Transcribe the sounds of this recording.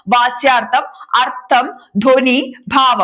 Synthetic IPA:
ʋaːt͡ʃjaːɾt̪ʰɐmɐɾt̪ʰɐmd̪ʱoːniːbʱaːʋɐ

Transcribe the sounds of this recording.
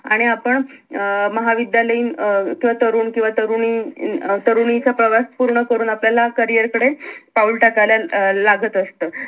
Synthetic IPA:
aɽ̃iapəɳ | məɦaʋid̪jaləiːnkĩʋat̪əɾuːnkĩw̃ʋat̪əɾunit̪əɾunit͡sapɾəʋaspuɾɳəkəɾuːnapljalakəɾijəɾkəɽepaulʈakaljalaɡət̪əst̪əː

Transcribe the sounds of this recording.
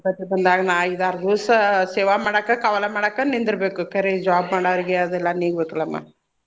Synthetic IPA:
bɐt̪ːibɐnd̪aːɡɐnaːid̪aːɾɐd̪usɐseːʋamaːɽɐkːɐkɐʋɐlɐmaːɽɐkːɐnind̪iɾɐbeːkuɐkɐɾed͡ʒaːbmaːɽɐʋɐɾiɡeɐd̪ɛlːɐniːɡbeːk̪ɐlɐmːa̰

